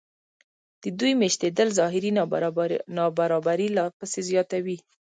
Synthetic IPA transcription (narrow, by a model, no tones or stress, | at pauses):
d̪̥əd̪ujmeʃt̪ed̪əlzɑɦɪɾi | nɑbaɾɑbaɾilɑpəsezjɑt̪awi